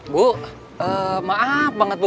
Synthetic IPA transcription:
buʔ | əmaʔafbaŋət̪̚bə

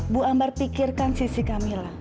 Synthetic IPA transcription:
buambarpikirkansisikamila

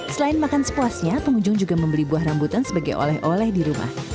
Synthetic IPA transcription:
səlaɪnmakansə̥puasɲapəŋuɲd͡ʒʊŋd͡ʒuɡaməmbəlibuahrambut̪ansəbaɡajʔo̰lɛhʔolɛhdiɾuma̰h

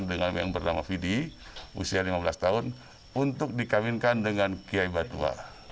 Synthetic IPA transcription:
ndəŋanja̰ŋbərnamafidiṵsialimabəlast̪aʊn | unt̪ʊk̚dikawinkandəŋankiaibat̪ua̰

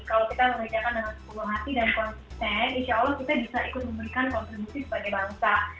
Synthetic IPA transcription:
kalawkit̪aməŋad͡ʒakandaŋansə̥pulʊhɦat̪idankɔnsi̥st̪ɛninʃaalːɔhkit̪abisaikʊt̪̚məmbəɾikankɔnt̪ɾibusisə̥paɡajbaŋsa

